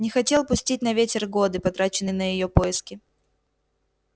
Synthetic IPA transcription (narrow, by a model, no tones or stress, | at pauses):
nʲɪxɐtʲe̞lˠpʊsʲtʲit̚ʲnɐvʲetʲɪrɡo̞d̪ɨpɐt̪ɾat͡ɕɪnːɨjnəjɪjo̞po̞jɪskʲɪ